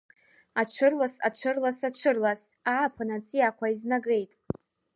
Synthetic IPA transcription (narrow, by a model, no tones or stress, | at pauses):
aʈ͡ʂʷʰɨrlasa̰ʈ͡ʂʷʰɨrlasaʈ͡ʂʷʰɨrlas | aːpʰanat͡sʰʼiakʷaiznaɡe̞jtʼ